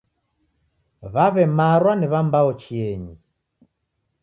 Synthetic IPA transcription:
βaβɛmaɾwaniβambaɔt͡ʃiɛɲi

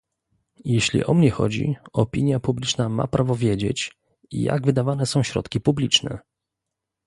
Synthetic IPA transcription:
jeɕlʲḭʔɔmɲɛxɔ̰d͡ʑḭɔpʲiɲjapublʲit͡ʂnama̰pɾʔavɔvʲjed͡ʑet͡ɕ | ija̰ɡvɘd̪avanɛsɔ̃w̃ɕɾɔ̰t̪kʲipublʲit͡ʂnɛ̰

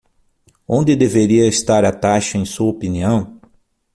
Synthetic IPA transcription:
õnd̪ɪd̪eveɾiɐest̪aɾɐt̪aʃɐẽj̃suɐopiniɐ̃w̃

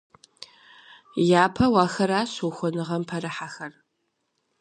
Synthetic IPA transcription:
jaːpʰɐwaːxɐɾaːɕuxʷɔnɨʁɐmpʰɐɾɨħaxɐr

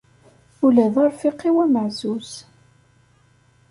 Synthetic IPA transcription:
ʊlæðɑɾˤfiqːiwæməʕzuz̥

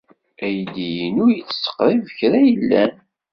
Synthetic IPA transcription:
æjd̪ijənʊɾjət͡sːsə̥qɾˤivəçɾæjəlːæn

